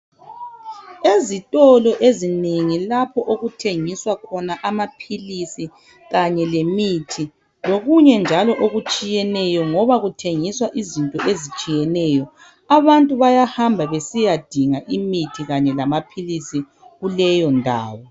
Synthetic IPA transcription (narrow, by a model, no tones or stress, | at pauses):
ezitʼɔlɔʔezineŋilapʰɔʔoɣutʰeŋiswakʰɔnaʔamapʰilisi | ɣaɲɛlemitʰi | loɣuɲɛnd͡ʒʱalɔʔoɣut͡ʃʼijɛnɛjɔŋɔβaɣutʰeŋiswaʔizintʼɔʔezit͡ʃʼijɛnɛjɔ | aβantʼuβajahambʱaβesijad̥ʱiŋaʔimitʰiɣaɲɛlamapʰilisi | ɣulɛjɔndʱa̰ːwɔ